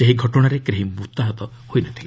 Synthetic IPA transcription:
seɦiɡʱɔʈɔɽ̃aɾekɾeɦimut̪aɦɔt̪ɔ | hojnɔt̪ʰile

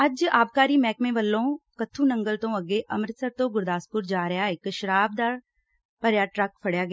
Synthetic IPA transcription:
ɐd͡ʒaːb̚kaːɾimɛːkmẽʋəlːõːkɐt̪ʰːũːnɐ̃ŋɡəlt̪õɐɡeʔɐmɾɪt̪səɾt̪õːɡʊɾd̪aːspʊɾd͡ʒaːɾɐjaːɪkːʃɐɾaːb̚d̪aːɾ | pɐɾjaːʈɾɐkpʰɐɽjaːɡɐ

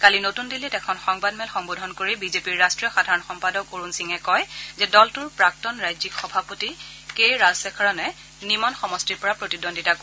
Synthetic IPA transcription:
kalinotundilɛtɛkʰɔnxɔŋbadmɛlxɔŋbodʱɔnkoɹibizepiɹːastɹijɔxadʱaɹɔnxɔmpadɔkoɹunsiŋɛkɔjzɛdɔltʊɹpɹak̚tɔnɹajzikxɔbʱapoti | kejɹalsɛkʰɔɹɔnɛ | nimɔnxɔmɔstiɹpɔɹapɹotidonditak

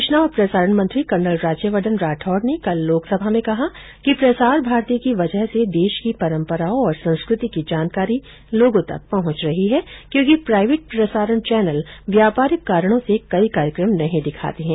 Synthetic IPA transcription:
ɪʃnaɔɾpɾɐsaːɾəɳmɐ̃nt̪ɾikɐɳɖəlɾaːd͡ʒjəʋəd̪ənɾaːʈʰɔːɖnekɐlːoːksɐbʱamẽkɐɦa | kipɾɐsaːɾbʱaːɾt̪iəkiʋɐd͡ʒəɦsed̪eːʃkipɐɾə̃mpəɾaːõɔːɾsɐ̃ñskɾɪt̪ikid͡ʒaːnkaːɾi | loːɡõt̪ɐ̰k̚pɐɦʊ̃t͡ʃɾɐɦiɦɛkjõːkipɾaːɪʋeːʈ̚pɾɐsaːɾəɳ̃t͡ʃɛːnəlʋjaːpaːɾɪkːaːɾəɽ̃õsekɐikaːɾjəkɾəmnɐɦĩd̪ɪkʰa̰ːt̪eɦɛ̃ː

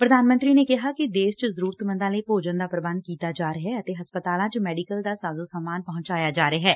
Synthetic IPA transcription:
pɾəd̪ʱaːnmə̃nt̪ɾinekɪɦakid̪eːst͡ʃəzəɾuːɾt̪mə̃nd̪ãːlepoːd͡ʒə̃nd̪aːpɾəbə̃nd̪̚kiːt̪ad͡ʒaːɾəɦɛɐt̪eɦɐspət̪aːlãːt͡ʃmɛːɖɪkəld̪aːsaːzosaːmaːnpɐɦʊ̃ɲt͡ʃaːjad͡ʒaːɾəɦɛː

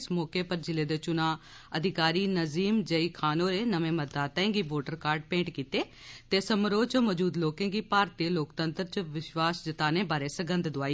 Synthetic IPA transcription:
smɔːkeːpəɾd͡ʒɪleːd̪eːt͡ʃʊnãː | əd̪ʱɪkaːɾiːnəziːmd͡ʒəiːkʰaːnoːɾeːnəmẽːməɾd̪aːt̪ãẽːɡiːboːʈəɾkaːɾɖ̚pẽːɳʈkiːt̪eː | t̪eːsəmɾoːt͡ʃəmɔːd͡ʒuːd̪loːkẽːɡiːpaːɾt̪eloːkt̪ənt̪əɾt͡ʃʋɪʃwaːsd͡ʒət̪aːneːbaːɾeːsəɡənd̪d̪ʊaːiː

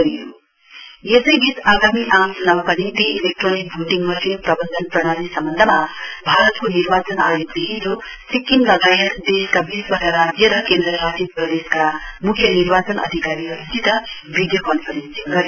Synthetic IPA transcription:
ʌɾijo | jesʌjɡit̪aɡamiʔamsunawkad̪int̪ielek̚ʈronik̚bʱuʈiŋmʌsinprʌbʌnd̪ʌnprʌɽ̃anisʌmbʌnd̪ʱʌmabʱaɾʌt̪koniɾbat͡sʌna̰jokd̪eɦinɾo | sikːinlʌɡajʌt̪d̪eskabisbʌsaɾad͡zjʌɾʌkend̪rʌɾad͡zjʌprʌd̪eskamukʰjʌniɾbat͡sʌnʔʌ̰d̪ʱikaɾiɦʌɾusʰit̪ʌ | bʱid̪jʌkʌnpʰʌɾensiŋɡʌɾi

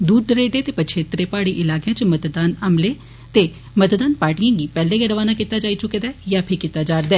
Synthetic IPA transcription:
d̪uːɾd̪əɾeːɖeːt̪eːpət͡ʃʰeːt̪ɾeːpaːɽiːʔɪlaːkejãːt͡ʃmət̪d̪aːnəmleː | t̪eː | mət̪d̪aːnpaːʈijãːɡiːpɛːleːɡəɾəʋaːnaːkit̪aːd͡ʒaːiːt͡ʃʊkeːd̪aːjaːpʰɪɾkit̪ːaːd͡ʒaːɾd̪ɛː

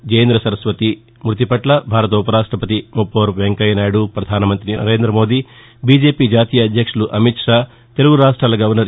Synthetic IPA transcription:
d͡ʒejɐnd̪ɾɐsɐɾɐsʋɐt̪i | mɾut̪̬ipɐʈlɐbʱaːɾɐt̪upɐɾaːʂʈɾɐpɐt̪imupːoːɾʋeŋkɐjɐnaːjɽupɾɐd̪ʱaːnɐmɐnt̪ɾinɐ̰ɾe̞ːnd̪ɾɐmo̞ːd̪i | biːd͡ʒe̞ːpiːd͡ʒaːt̪iːjɐːd̪ʱjɐkʂuluʔɐmit̪ʂaː | t̪eluɡuɾaːʂʈɾaːlɐɡɐʋɐɾnɐɾ

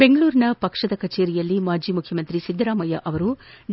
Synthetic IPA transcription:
beŋɡɐɭuːɾinɐpɐkʂɐd̪ɐkɐt͡ʃeːɾijɐlːimaːɾd͡ʒiːmukʰjɐmɐnt̪ɾisid̪ʱɐɾaːmɐjɐʔɐʋɐɾuɖ

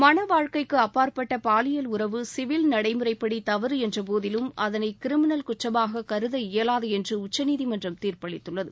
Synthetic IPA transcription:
mɐnɐʋaːɻkɐɪkːɯɐpːaːɾpɐʈːɐpaːlɪjɐlʊɾɐʋɯsɪʋɪlnɐɽɐɪmɯrɐɪpːɐɽit̪ɐʋɐɾɯɛndrɐp̬oːðɪlɯmʔɐðɐnɐɪkɪɾɪmɪnɐlkʊʈrɐmaːɣɐkɐɾɯðɐɪjɐlaːðɐɛndrɯʊt͡ʃːɐniːðimɐndrɐmt̪iːrpɐɭɪt̪ːɯɭːɐðɯ

